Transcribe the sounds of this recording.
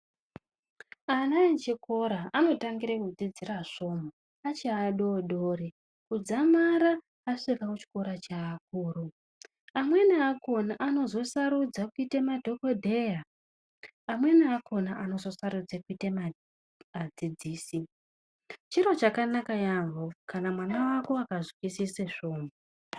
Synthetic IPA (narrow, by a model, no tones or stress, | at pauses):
anait͡ʃiko̞ɾaano̞taŋɡiɾekud͡zid͡ziraʐo̞mo | at͡ʃaːɗoɗoːɾe | kud͡zamaɾaː | ʂiʋakut͡ʃi̥ko̞ɾat͡ʃaːk̚uːru | amwe̞niako̞naʔano̞zo̞saɾud͡zakuitemadʱo̞ko̞dʱe̞jaː | mwe̞niakʰo̞naʔano̞zo̞saɾud͡zakuitema | ad͡zid͡ziːsi | t͡ʃiɾo̞t͡ʃakanakajaɱvokanamwanawako̞akaʐikisiseʐoːmu